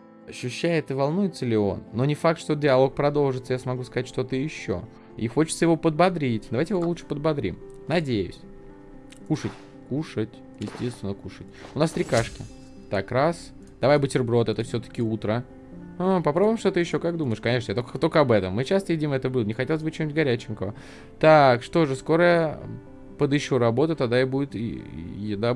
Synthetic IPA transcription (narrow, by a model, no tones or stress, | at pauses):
ɐɕːʉɕːæjɪt̪ɨvɐlˠnujɪt̪səlʲɪo̞̰nːo̞nʲɪfak̚t̪ʂt̪o̞dʲɪɐlˠo̞k̚pɾɐd̪o̞lˠʐɨt̪səjasmɐɡuskɐzatʲʂt̪ot̪əjɪɕːo̞̰ | ḭxo̞t͡ɕɪt̪səjɪvo̞pəd̪̚bɐd̪ɾʲitʲd̪ɐvajtʲɪjɪvolutʂɨ̥pəd̪̚bɐd̪ɾʲḭm | nɐdʲejʊ̰sʲ | kuʂətʲ | kuʂətʲ | jɪsʲtʲest̪vʲɪnːəkuʂətʲʊnast̪ɾʲɪkaʂkʲɪ | t̪akɾas | d̪̥ɐvajbɨtʲɪrbɾo̞t̪ɛt̪əfsʲo̞t̪ə̥kʲɪut̪ɾə | əpɐpɾobʊjɪmʂt̪o̞t̪əjɪɕːo̞kakd̪uməɪʂkɐnʲeʂnəjat̪okt̪o̞lʲkəɐbɛt̪əmːɨt͡ɕast̪əvidʲimɛt̪əbɨlˠənʲɪxɐtʲelˠəzʲbɨt͡ɕenʲutʲɡɐɾʲæt͡ɕɪmkəvə | t̪akʂt̪o̞ʐɨsko̞ɾəjə̰ | pəd̪ɪɕːoɾɐbo̞t̪ət̪ad̪aɪbudʲɪt̪ɪ̰jɪd̪a